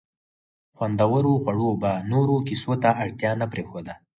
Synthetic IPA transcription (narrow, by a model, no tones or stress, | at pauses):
xwand̪awəɾoɣwaɽobanoɾokisot̪aʔaɽt̪jɑnapɾexod̪a